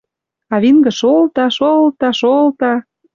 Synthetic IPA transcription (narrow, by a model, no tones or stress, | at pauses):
ɑβinɡə̆ʃolt̪ɑʃolt̪ɑʃolt̪ɑ